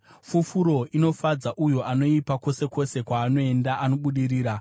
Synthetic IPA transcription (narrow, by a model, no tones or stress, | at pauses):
fufuɾo̞ino̞fad͡zaʔujo̞ʔano̞ipako̞se̞ko̞se̞kwaːno̞e̞ndaʔano̞ɓuɗiɾiːɾa